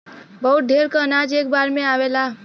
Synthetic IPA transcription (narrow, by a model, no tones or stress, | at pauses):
bəɦut̪̚ɖʱeɾkənad͡ʒekbaɾmeawela